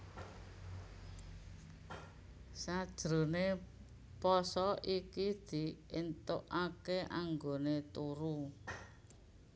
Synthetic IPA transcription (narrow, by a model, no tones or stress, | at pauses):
sad̥ʒ̥ɾone | pɔsɔikid̪̥i̤ent̪oʔakeʔaŋɡonet̪uɾu